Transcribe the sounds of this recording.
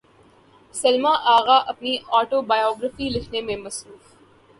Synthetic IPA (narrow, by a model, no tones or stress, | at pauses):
sɐlmaʔaːɣaʔɐpniɔːʈobaːjɔːɡɾəfilɪkʰnemẽmɐsɾuːf